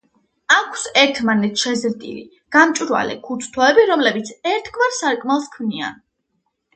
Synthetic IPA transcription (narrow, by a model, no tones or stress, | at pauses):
akʰsɛɾt̪ʰmanɛt̪ʰʃɛzɾd̪ḭlḭ | ɡ̥amt͡ʃʼiɾwa̰lɛ̰kʰut̪ʰt̪ʰɔɛbiɾɔmlɛbit̪sʰɛɾt̪ʰɡvaɾsaɾkʼmalˠskʰmnia̰n